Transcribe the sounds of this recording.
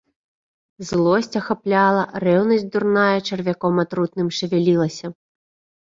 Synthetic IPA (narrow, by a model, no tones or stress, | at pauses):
zlˠɔsʲt͡sʲɐxaplʲalˠɐrɛwnɐzʲtʲd̪urnajɐt͡ʂɐrvʲakɔmɐt̪ɾut̪nɨmʂɨvʲɛlʲilˠɐsʲɐ